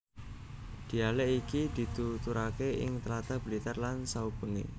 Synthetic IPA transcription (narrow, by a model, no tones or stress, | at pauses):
d̪̥i̤aleʔikid̪̥i̤t̪ut̪uɾakeʔɪ̰ŋt̪əlat̪ab̥əlit̪ɛrlansaub̥ə̤ŋḛ